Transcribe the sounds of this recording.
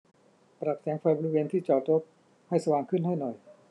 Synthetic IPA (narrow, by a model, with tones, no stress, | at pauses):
pɾa˨˩p̚sɛː˩˦ŋpʰaː˧boː˧i˧weː˧nt̪ʰiː˥˩t͡ɕɔː˨˩t̪̚ɾo˦˥p̚ | ha˥˩jsa˧waː˨˩ŋkʰɯ˥˩nha˥˩jnɔ˨˩j